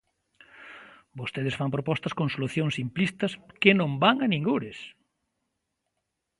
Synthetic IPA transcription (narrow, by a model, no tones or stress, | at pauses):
bost̪eð̞ɪsfampɾopɔst̪ɐskoŋsoluθjoŋsimplist̪ɐskɪnõmbaŋɐnĩŋɡuɾɪs